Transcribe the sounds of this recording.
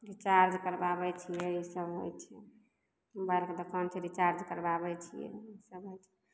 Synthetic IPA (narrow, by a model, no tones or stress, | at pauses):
ɾit͡ʃaɾd͡ʒkəɾbabɛt͡ʃʰijɛisəbɦo̰jt͡ʃʰɛ | mubajlked̪əkʰənt͡ʃʰɛɾit͡ʃaɾd͡ʒkəɾbabɛt͡ʃʰijɛ̰isəbɦojt͡ʃʰɛ̥